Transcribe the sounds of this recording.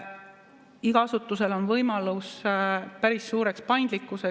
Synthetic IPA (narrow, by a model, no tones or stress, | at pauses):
iɡ̥ɑɑsut̪ːˑuse̞lo̞nvɤjmɑluspæɾisːuːɾe̞kspɑjnd̪likːˑuse